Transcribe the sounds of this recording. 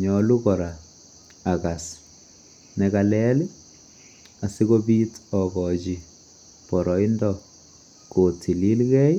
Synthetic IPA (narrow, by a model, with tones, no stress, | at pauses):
ɲɔlu˦kɔ˨ɾa˨ | a˨ka˨s | nɛkalɛ˦lɪ˦ | a˨si˦ko˦bi˦tɔ˨kɔ˨t͡ʃi˨ | pɔ˨ɾɔ˨i˦ndɔ | ko˨tʰi˨li˦lkɛ˦j